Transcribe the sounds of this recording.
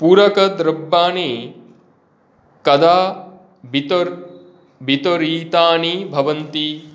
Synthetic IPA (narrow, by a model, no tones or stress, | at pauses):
puːɾɐkɐd̪ɾɐbːaːni | kɐd̪aː | bit̪oɾ | bʱit̪oɾiːt̪aːnibʱɐʋɐnt̪i